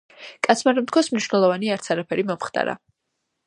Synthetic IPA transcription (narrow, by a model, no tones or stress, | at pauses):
kʼat̪sʰmaɾɛmt̪̚kʰwasmniʃwnɛlˠɔvaniaɾt̪sʰaɾapʰɛɾimɔmχd̪ʼa̰ɾa̰